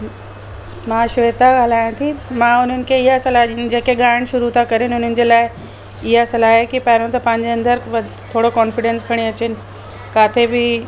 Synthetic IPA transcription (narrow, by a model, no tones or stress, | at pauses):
mãːʃet̪aɠəl̤aːjãt̪ʰimãʊn̤ənɪ̆kʰeɪɦasɐlaːɦd͡ʑeːkeɠaːəɽ̃ʃʊɾut̪ʰakɐɾenɪʊn̤ənɪ̆d͡ʑeːlaːɪ | ɪɦasɐlaːɦkipaːɾõt̪ɐpɐ̃ɦɪ̃ɲd͡ʑeɐ̃nd̪əɾʋ | t̪ʰoːɽokɔːnfɪɖẽnskʰɐɽ̃iɐt͡ɕɪnɪ̆ | kaːt̪ʰebɪ